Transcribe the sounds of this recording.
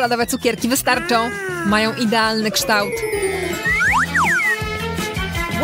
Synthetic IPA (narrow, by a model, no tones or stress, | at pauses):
lad̪ɔvɛt̪sukʲɛɾkʲivɘst̪aɾt͡ʂɔ̃w̃ | majɔ̃w̃ʔid̪ɛalnɘkʂt̪awt̪ | w